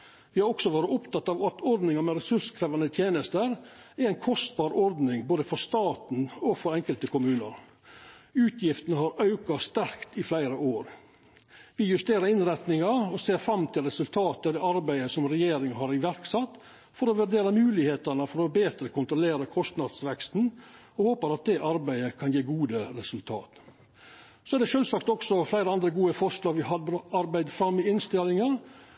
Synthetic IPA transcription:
ʋɪhɑɾɔksɔʋoːɾəʊpt̪ɑt̪ːɑʋɑt̪ɔɾd̪nɪŋɑmɛɾɛsʉʂkʰɾɛːʋɑnət̪ʰjeːnəst̪əɾæɾæɪnkʰɔst̪̚bɑːɾɔɾd̪nɪŋboːd̪əfɔɾst̪ɑːt̪n̩ɔfɔɾɛŋkəlt̪əkʊmʉːnəɾ | ʉːt̪ʰjɪft̪ənəɦhɑɾɑʉkɑst̪æɾkt̪ɪflæɪɾəoːɾ | ʋɪjʉst̪eːɾəɾɪnɾɛt̪nɪŋɑɔseːɾfɾɑmt̪ʰɪlɾɛsʉlt̪ʰɑːt̪əd̪ɛɑɾbæɪəsɔmɾɛjeːɾɪŋɦɑɾɪʋæɾksɑt̪ː | fɔɾɔʋʉɖ̪eːɾɑmʉːlɪheːt̪əɳəfɔɾɔbeːt̪ɾəkʊnt̪ɾʊleːɾəkʰɔst̪nɑd̪sʋɛkst̪n̩ | ɔhoːpəɾɑt̪̚d̪ɛʔɑɾbæɪəkʰɑnjeːɡuːd̪əɾɛsʉlt̪ʰɑ̰ːt̪ | sɔæɖ̪ɛʃøːlsɑkt̪ɔksɔflæɪɾəɑnd̪ɾəɡuːəfɔʂlɑːɡʋɪɦɑd̪ɾɑɾbæɪd̪fɾɑmːɪɪnst̪ɪlɪŋɑ

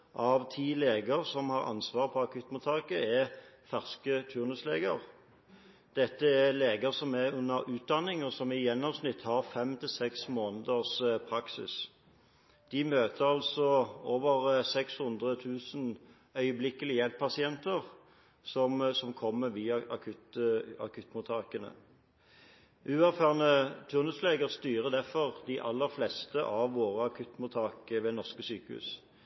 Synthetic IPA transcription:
ʔɑʋt̪ʰiːleːɡəʁsɔmhɑʁɑ̰nsʋɑːʁpʰɔɑkʰʉt̪mʊt̪ʰɑːkəɛfæʁskət̪ʰʉːʁnʉsleːɡəʁ | d̪̥ɛt̪ːəæleːɡəʁsɔmæʉnːəɾʉːt̪̚d̪ɑnːɪŋɔsɔmɪjɛnːɔmsnɪt̪ːhɑʁfɛmt̪ʰɪlsɛksmoːnəd̪əspʰɾɑksɪ̰s | d̪̥ɪmøːt̪ʰəɾɑlsɔoːʋəʁsɛkshʉnd̪ʁət̪ʰʉːsn | œʏəblɪkːəlɪjɛlp̚pʰɑsɪɛnt̪əʁ | sɔmsɔmkʰɔmːəʋiːɑɑ̰kʰʉt̪ɑ̰kʉt̪ːmʊt̪ʰɑːkənə̰ | ʔʉːæʁfæːʁnət̪ʰʉːʁnʉsleːɡəʁst̪yːʁəd̪æfɔʁd̪ɪʔɑlːəʁflɛːst̪əʔɑʋːoːʁəɑkʰʉt̪ːmʊt̪ʰɑːkəʋeːnɔʁskəsyːkəhʉ̰ːs

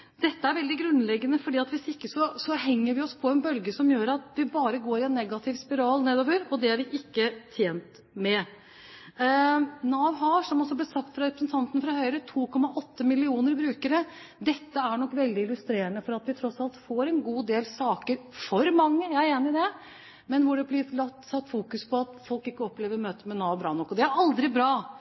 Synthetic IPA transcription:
d̪̥ɛt̪ːəæɾʋɛld̪ɪɡɾʉnlɛɡːənəfɔɖiːɑt̪ʋɪsɪkːəsɔsɔɦɛŋːəɾʋɪɔspʰɔɛnbœlɡəsɔmjøːɾɑt̪ʋɪbɑːɾəɡoːɾɪɛnːɛɡɑt̪ʰɪʋspɪɾɑːlneːd̪oːʋəɾɔd̪ɛæɾʋɪʔɪkːət̪ʰjeːnt̪ | mɛ | nɑːʋɦɑʂɔmɔsːɔblɛsɑk̚t̪fɾɑɾɛpɾəsnt̪ʰɑnt̪ənfɾɑhœʏɾət̪ʰuːkʰɔmːɑʔɔt̪ːəmɪlɪuːnəɾbɾʉːkəɾə | d̪ɛt̪ːəæɳɔkːʋɛld̪ɪɪlʉst̪ɾeːɾənəfɔɾɑt̪ʋɪt̪ʰɾɔsɑlt̪foːɾɛnɡuːd̪eːlsɑːkəɾfɔɾmɑŋːəjæɾeːnɪd̪ɛ | mɛnʋʊɖɛblɪɾlɑt̪ːsɑt̪ːfuːkʉspʰɔɑt̪fɔlkɪkːəɔpleːʋəɾmøːt̪əmɛnɑːʋbɾɑːnɔkːɔd̪ɛæɾɑld̪ɾɪbɾɑː

